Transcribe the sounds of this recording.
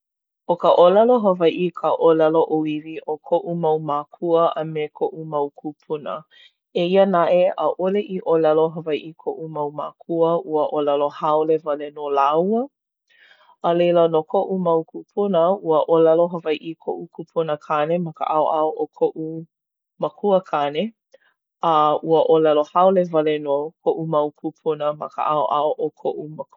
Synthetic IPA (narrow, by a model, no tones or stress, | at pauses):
ʔokəʔolɛloɦəvɐjʔikʰəʔolɛloʔoiviʔokʰoʔumɐwmaːkʰuəɐmekʰoʔumɐwkʰupʰunə̰ | eiənaʔeʔəʔoleʔiʔolɛloɦəvɐjʔikʰoʔumɐwmakʰuəʔuəʔolɛlohaolevɐlenolawə | əlejlənokʰoʔumɐwpʰupʰunəuəʔolɛloɦəvajʔikʰoʔukʰupʰunəkʰanemɐkə̰ʔaoʔaoʔokʰoʔu | məkʰuəkʰane | əʔuəʔolɛlohaolevɐlenokʰoʔumɐwpʰupʰunəmɐ̰kə̰ʔaoʔa̰oʔokʰoʔumə